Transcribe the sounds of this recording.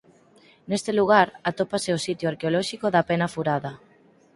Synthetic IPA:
nest̪eluɣ̞aɾat̪opaseosit̪joaɾkeolɔʃikoðapenafuɾaðɐ

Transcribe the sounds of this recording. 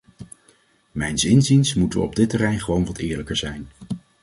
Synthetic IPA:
mɛjnsɪnzinsmutəʋə̰ɔb̚dɪtərɛjnχəʋownʋɑtɪːɹləkəɹzɛjn

